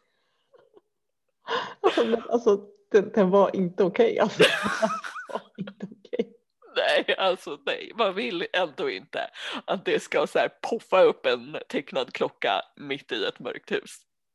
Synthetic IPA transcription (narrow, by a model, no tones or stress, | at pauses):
alsɔmɛna̰lsɔ | d̪̥ɛnd̪ɛnvaɾʔɪnt̪əʊkʰɛja̰lsɔdɛnvaɪnt̪əʊkʰɛj | nɛjalsɔnɛ̰jmanvɪlːɛnd̪oːɪ̰nt̪ə̰ʔat̪̚d̪ɛskasæːɾpʰɔfːaɵpːɛnt̪ʰɛkːnad̪kʰlɔkːa̰mɪt̪ːɪɛt̪mœ̰ɾk̚t̪hʉ̟̰ːs